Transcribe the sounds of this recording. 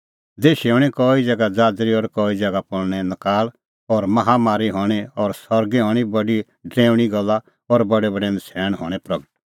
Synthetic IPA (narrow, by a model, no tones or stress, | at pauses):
d̪eːʃiɔɽ̃ɛkɔːid͡zɛɡad͡zaːd͡zɾiɔɾkɔːid͡zɛɡapɔɽñɛnəkaːl | ɔɾmɐɦamaːɾiɦɔːɽ̃ɛɔɾsɔɾɡeɦɔːɽ̃ibɐɖi | ɖɾɛ̃ːʋɽ̃iɡɔlːa | ɔɾbɐɽɛbɐɖɛnsʰɛːɽ̃ɦɔːɽ̃ɛpɾɐɡəʈ̚